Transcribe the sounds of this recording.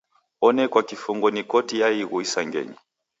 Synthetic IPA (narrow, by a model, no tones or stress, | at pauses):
ɔnɛkwakifuŋɡɔnikɔtijaiɣuisaŋɡɛ̰ɲi